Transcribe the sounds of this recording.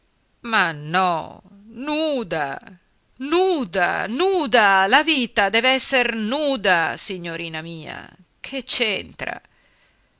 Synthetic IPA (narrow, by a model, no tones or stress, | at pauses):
manːɔ | nuːd̪a̰ | nuːd̪a̰nuːd̪alaviːt̪ad̪ɛːveɛsːernuːd̪asiɲːoɾiːnamiːa̰ | kʰet͡ʃːent̪ɾa̰